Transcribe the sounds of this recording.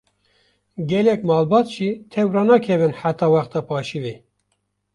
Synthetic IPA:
ɡɛlɛkmɑːlbɑːt̪ʒ̥iːt̪ʰɛwɾɑnɑkʰɛvɨnħæt̪ɑːwæxt̪ɑpʰɑːʃive

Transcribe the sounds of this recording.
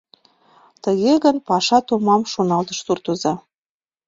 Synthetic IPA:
t̪əɣeɣənpɑʃɑt̪umɑmʃonɑlt̪ə̥ʃsurt̪uzɑ

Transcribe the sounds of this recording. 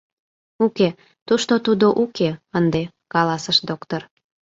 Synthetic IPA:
uke | t̪uʃt̪ot̪ud̪oʔukeənd̪e | kɑlɑsəʃd̪okt̪or

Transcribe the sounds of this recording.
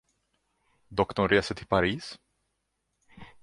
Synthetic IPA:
d̪ɔkt̪ɔɳɾeːsəʈʰɪlpʰaɾiːs

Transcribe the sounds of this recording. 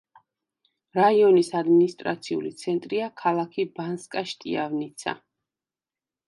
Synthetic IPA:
ɾaiɔnisad̪minist̪ʼɾa̰t̪sʰiṵlit̪sʰɛnt̪ʼɾiakʰalˠakʰibanskʼaʃt̪ʼḭavnit̪sʰa̰

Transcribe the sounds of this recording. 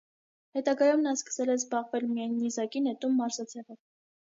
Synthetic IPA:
hɛt̪ɑɡɑjumnɑskə̥sɛlɛzbɑʁvɛlmijɑjnːizɑkinɛt̪umːɑɾzɑt͡sʰɛʁə

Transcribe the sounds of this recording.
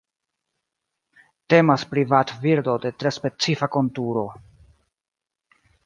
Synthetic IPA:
te̞maspɾivatviɾdo̞de̞tɾe̞spe̞t͡sifako̞ntuɾo̞

